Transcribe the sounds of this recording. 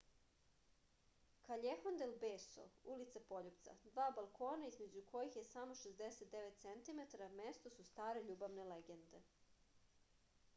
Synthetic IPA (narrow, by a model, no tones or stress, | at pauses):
kaʎexond̪elbeːso̰ulit̪sapo̞ʎupt̪sa̰d̪ʋaːbalˠkʰo̞ːnaizme̞d͡ʑukʰo̞jixjesamo̞ʃezd̪eset̪̚d̪eʋet̪t̪sent̪imet̪aɾame̞st̪o̞sust̪aːɾe̞ʎuːbaʋne̞leɡe̞nd̪e̞